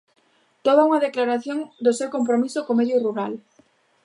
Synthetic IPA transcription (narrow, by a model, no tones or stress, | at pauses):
t̪oβauŋɐðeklaɾaθjoŋd̪ʊsewkompɾomisʊkomeðjʊruɾal